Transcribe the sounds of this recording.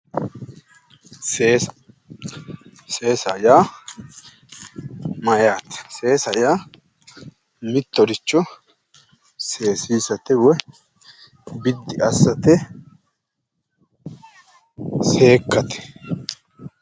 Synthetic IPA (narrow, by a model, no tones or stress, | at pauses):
seːs | se̞ːsɐjaː | mɐjaːt̪ɛ̥se̞ːsɐjaː | mɪt̪ːɔɾɪt͡ʃːɔ | se̞ːsiːsɐt̪ɛwɔ | bɪd̪ːɪɐsːɐt̪ɛ | se̞ːkːɐt̪ɛ̥